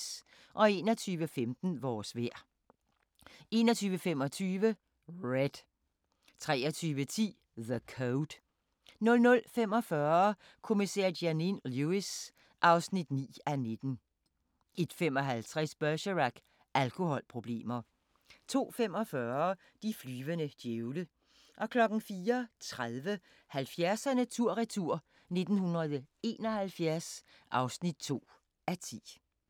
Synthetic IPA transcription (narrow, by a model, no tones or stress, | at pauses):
s | ʔɒ̽e̝ːnɒt͡sʰyːʋəfemd̥n̩ʋɒːsʋeɐ̰ | e̝ːnɒt͡sʰyːʋəfem̰ɒ̽t͡sʰyːʋə | ʁed̥ | t͡sʰʁɛːɒt͡sʰyːʋət͡sʰḭː | ðəkʰoʊd̥ | nɔ̽lnɔ̽lfemɒ̽fɶːɐ | kʰo̝misɛɐ̰dæninljuis | ʔɑ̈ʊsnid̥nḭːæne̝d̥n̩ | ʔe̝d̥fem̰ɒ̽ɦælt͡sʰʁɛsb̥œɕɐʁaɡ̥ | ælkʰo̝hɒ̽lpʰʁo̝b̥le̝̰ːmɐ | t͡sʰo̝̰ːfem̰ɒ̽fɶːɐ | d̥iflyːʋənəd̥jeʊlə | ʔɒ̽kʰlɒ̽ɡ̥n̩fiːɐt͡sʰʁaðˠʋə | hælfjæɐsænæt͡sʰuɐ̰ʁɛt͡sʰuɐ̰ | ne̝d̥n̩hunʁɐðˠe̝ːnɒ̽hælfjæɐs | ʔɑ̈ʊsnid̥̚t͡sʰo̝̰ː | æt͡sʰḭː